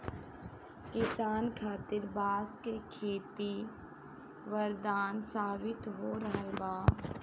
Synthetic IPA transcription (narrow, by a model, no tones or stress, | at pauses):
kɪsaːnkʰaːt̪ɪɾbaːskekʰeːt̪i | ʋəɾd̪aːnsaːbɪt̪ɦoɾɐɦebaː